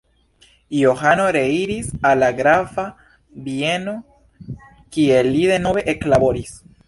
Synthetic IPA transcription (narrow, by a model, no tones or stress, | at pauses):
joxanoɾeiɾisalaɡɾafa | bjeno | kielːiðenoβeʔeklaβoɾis